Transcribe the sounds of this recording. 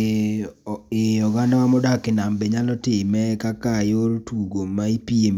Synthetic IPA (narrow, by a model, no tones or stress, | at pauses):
eɔɡandawamɔdakɪnambeɲalɔtɪmɛkakajoɾtuɡomaipiem